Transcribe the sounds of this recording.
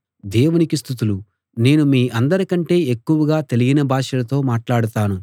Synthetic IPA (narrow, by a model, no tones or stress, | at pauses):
d̪eːwunikist̪ʰit̪ulu | ne̞ːnumiːʔɐnd̪ɐɾikɐɳʈe̞ːekːuʋɐɡaːt̪e̞liɡinɐbʱaːʂɐlɐt̪o̞ːmaːʈlaːɽut̪aːnu